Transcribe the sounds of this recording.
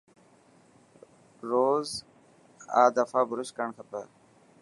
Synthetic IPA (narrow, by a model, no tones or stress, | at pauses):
ɾoːz | a̰ːd̪əfaːbʱʊɾʊskəɳkʰəpə